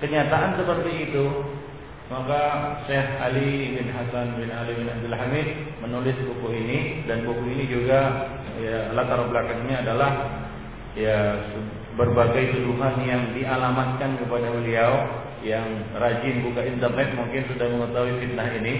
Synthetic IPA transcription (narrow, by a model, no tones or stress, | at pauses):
kəɲat̪aʔansəpərt̪iːt̪u | makaʃɛɦalibɪnɦasanbɪnalibɪnab̚d̪əlɦamɪt̪̚ | mənulɪspukʊɦinidanpukuɦinid͡ʒuɡa | jalat̪aɾabəlakaŋɲaːdalah | ja | bərbaɡajt̪uduɦanjaŋdialamat̪̚kankəpadawiliaw | jaŋrad͡ʒɪnbukaint̪ərnɛt̪̚muŋkɪnsudaŋməŋət̪auifit̪̚naɦini